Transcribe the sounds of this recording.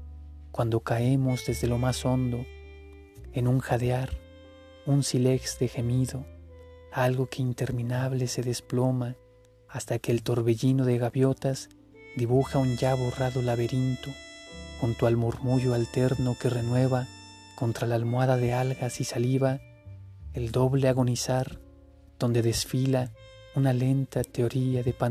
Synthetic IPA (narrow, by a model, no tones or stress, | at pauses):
kwand̪o̞kae̞mo̞zðe̞zðe̞lo̞maso̞nd̪o̞ | enuŋxaðeaɾ | unsile̞ɣst̪exe̞miðo̞ | alɣo̞ke̞int̪e̞ɾmĩnaβle̞se̞ðe̞splo̞maː | st̪ake̞ːlt̪o̞ɾβe̞ʝino̞ðe̞ɣaβjo̞t̪az | d̪iβuxaunɲʝaβo̞raðo̞laβe̞ɾint̪oxunt̪oalmuɾmuʝoalt̪e̞ɾno̞ke̞re̞nwe̞βa | ko̞nt̪ɾalalmwaðaðe̞alɣasisaliβa | eld̪o̞βle̞aɣo̞nisaɾ | ð̥o̞nd̪e̞ðe̞sfila | unale̞nt̪at̪eo̞ɾiaðepa